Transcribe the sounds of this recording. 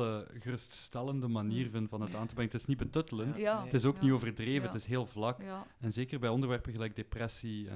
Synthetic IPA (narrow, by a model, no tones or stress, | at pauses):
əɣərɵststɛləndəmaniːrvənvɑnɦətaːntəbrɛŋətɪsnibətɵtələnttɪs̬oːknioːvərdreːvətɪsɦeːlˠvlɑkɛnzeːkərbɛjɔndərʋɛrpənɣəlɛjɡ̚deprɛsiɛ̰